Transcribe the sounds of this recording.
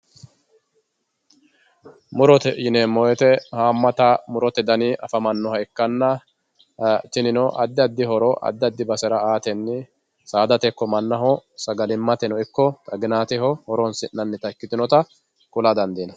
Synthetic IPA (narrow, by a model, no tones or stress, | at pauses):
mʊɾɔt̪ɛjɪneːmːɔjɛt̪ɛhaːmːɐt̪ɐmʊɾɔt̪ɛd̪ɐniʔɐfɐmɐnːɔhɐɪkːɐnːɐ | t̪ɪnɪnɔʔɐ̰d̪ːɪɐd̪ːɪhɔɾɔʔɐ̰d̪ːɪɐd̪ːɪbɐsɛɾɐaːt̪ɛnːɪ | saːd̪ɐt̪ɛkːɔmɐnːɐɦɔsɐɡɐlɪmːɐt̪ɛnɔɪkːɔt̪ʼɐɡɪnaːt̪ɪɦɔhɔɾɔnsɪnːɐnːɪt̪ɐkːɪt̪ɪnɔt̪ɐ | kʼʊlɐd̪ɐnd̪iːnɐ